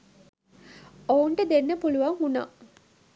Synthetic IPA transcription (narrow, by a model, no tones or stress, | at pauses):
ouɳʈəd̪enːəpuluʋaŋuna̰